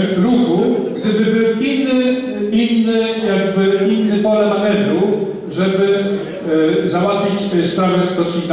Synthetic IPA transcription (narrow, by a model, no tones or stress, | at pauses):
ɾuxuɡd̪ɛbɘbɘwinːɘ | inːɘjaɡbɘinːɘpɔɾaamɛvɾu | ʐɛbɘ | zawat̪fʲit͡ɕst̪aʒɛst̪ɔt͡ʂɲik̪